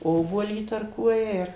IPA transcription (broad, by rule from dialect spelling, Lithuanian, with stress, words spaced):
ˈoːbuɔlʲiː iːtɐrˈkuɔjɛ ɪr